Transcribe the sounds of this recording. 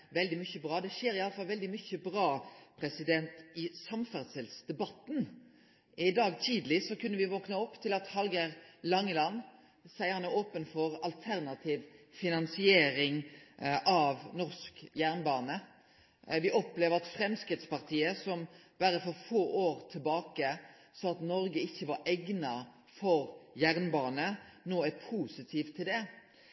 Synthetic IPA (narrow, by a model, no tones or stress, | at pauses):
ʋɛld̪ɪmʏçəbɾɑːd̪ɛʃeːɾɪɑlːəfɑlʋɛld̪ɪmʏçəbʁɑːpʰɾɛsɪd̪ɛnt̪ɪsɑmfæʁsəlsd̪ɛbɑt̪ːn | ɪd̪ɑːɡt̪ʰiːd̪lɪsɔkʉnːəʋɪʋɔknəɔpːt̪ʰɪlɑt̪hɑlɡəɾlɑŋːəlɑnː | sæɪəhɑnæɾoːpənfɔɾɑlt̪ʰæɾnɑt̪ʰiːʋfɪnɑnsɪeːɾɪŋʔɑʋnɔʁskjæʁnbɑːnə | ʋɪʔɔpleːʋəʁɑt̪fɾɛmskʁɪt̪spɑʁt̪ʰiːəsɔmb̥æɾəfɔɾfoːʔoːɾt̪ʰɪlbɑːkə | sɔɑt̪nɔɾɡəɪçːəʋɑɾʔɛɡnɑ | fɔɾjæɾnbɑːnənoːæpʰuːsɪt̪ʰiːʋt̪ʰɪld̪ɛ